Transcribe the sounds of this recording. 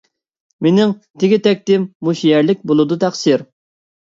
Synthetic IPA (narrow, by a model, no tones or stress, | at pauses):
menɪŋt̪ʰɪɡʲit̪ʰɛk̚ʲt̪ɪmːuʃijɛɾlɪk̚ʲbolˠɨd̪ut̪ʰæχsiɾ